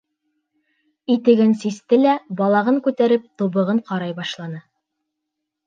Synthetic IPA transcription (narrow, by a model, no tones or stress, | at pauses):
it̪ɘ̆ɡɘnsist̪ɘlæbɑlˠɑʁɤŋkʉt̪æɾɘp̚t̪uβɤ̆ʁɤɴqɑɾɑjbɑʃlˠɑnɤ